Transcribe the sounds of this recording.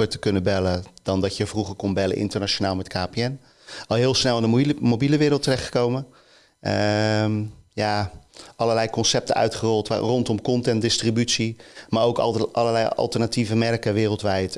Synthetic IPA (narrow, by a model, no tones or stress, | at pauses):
əɹtə̥kɵnəbɛləd̥ɑndɑtjəvruχəɹkɔnbɛlə̰ʔɪ̰ntəɹnaʃonaːlˠmɛtkaːpeɛn | ɑlˠɦɪːlˠsnɛlˠɪndəmowbiləʋɪːɾlˠtːərɛχtχə̥kowmə | ə | jaʔɑləlɛjkɔnsɛp̚tənœ̰ɥtχərɔlˠtʋa̰rɔntɔmkɔntɛntdɪstribytsimaːowkʔɑləlɛjɑ̰lˠtəɹnativəmɛrkəʋɪːrəlˠtʋɛjt